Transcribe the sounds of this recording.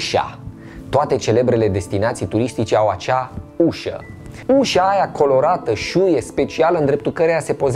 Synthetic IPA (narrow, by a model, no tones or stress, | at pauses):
ʃa̰ | t̪oat̪e̞t͡ʃe̞le̞bɾe̞le̞d̪e̞st̪inat̪sijt̪uɾist̪it͡ʃe̞awat͡ʃauʃə̰ | uʃaːjakʰo̞lo̞ɾat̪əʃuje̞spe̞t͡ʃialəɨnd̪ɾe̞p̚t̪ulkəɾease̞po̞z